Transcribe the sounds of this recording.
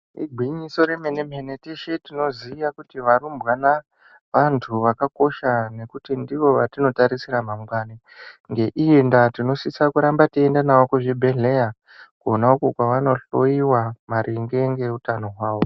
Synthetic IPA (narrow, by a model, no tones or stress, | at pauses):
ḭɡʱwiɲiso̞ɾe̞menem̤eneteʃetino̞ziʋakutiʋarumbwana | ʋantʰuʋakako̞ʃane̞kutindiʋo̞ʋatino̞taɾisiɾamamwaːne | ŋɡe̞ʔiendatino̞sisakuɾambatiendanaokoʐe̞bʱe̞ɮeja | kuonaokokwaʋano̞ɬoiwamaɾʔiŋɡe̞ŋɡe̞utano̞ɦwaːʋo̞